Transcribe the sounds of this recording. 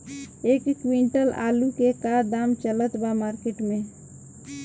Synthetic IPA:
eːkːwĩɳʈəla̰ːlukekaːɾd̪aːmt͡ʃələt̪bamaːɾkeːʈmẽ

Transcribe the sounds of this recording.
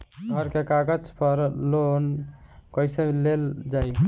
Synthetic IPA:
ɡʱəɾkekaɡəd͡ʒpəɾlonkəɪseleld͡ʒaj

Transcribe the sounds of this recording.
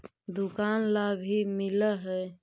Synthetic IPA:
d̪ʊkaːnlabʱimɪlaɦɛː

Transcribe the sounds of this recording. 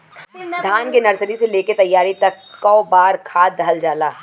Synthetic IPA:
d̪ʱaːnkenɐɾsəɾiseleːket̪ɐjːaːɾit̪ɐkːɔːbaːɾkʰaːd̪ʱɐld͡ʒaːlaː

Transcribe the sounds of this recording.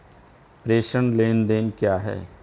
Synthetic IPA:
pɾeːʃənleːnd̪eːnkjaːɦɛ̰ː

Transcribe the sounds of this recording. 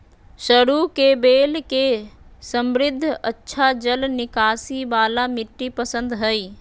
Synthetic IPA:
ʃɐɾuːkebeːlkesɐ̃mɾɪd̪ʱːɐtːʃʰad͡ʒɐlnɪkaːsibaːlamɪʈːipɐsə̃nd̪ɦɐiː

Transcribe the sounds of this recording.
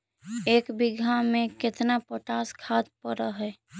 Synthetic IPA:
eːkbiɡʱamẽkɪt̪napəʈaskʰat̪̚pəɾəɦɛ

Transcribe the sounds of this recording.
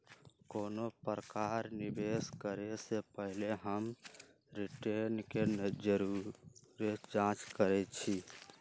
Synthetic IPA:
koːnopɾəkaɾnibeskəɾesepəɦileɦəm | ɾiʈenkend͡ʒəɾuɾed͡ʒãt͡ʃkəɾɛt͡ʃʰi

